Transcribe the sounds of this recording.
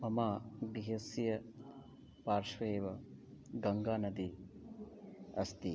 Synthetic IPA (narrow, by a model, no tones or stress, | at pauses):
mɐmaːɡiɦɐsjɐ | paːɾʃʋeːʋɐɡɐŋɡaːnɐd̪i | ɐst̪i